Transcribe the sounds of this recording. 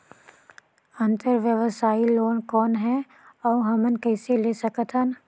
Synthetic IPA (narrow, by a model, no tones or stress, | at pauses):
ɐ̃nt̪əɾʋjəʋəsaːiloːnkɔːnɦɛ | ɔːɦɐmənkɛːseleːsɐkət̪ʰən